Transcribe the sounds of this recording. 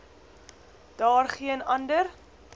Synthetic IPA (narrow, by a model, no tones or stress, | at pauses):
d̥ɑːrχiənɐndər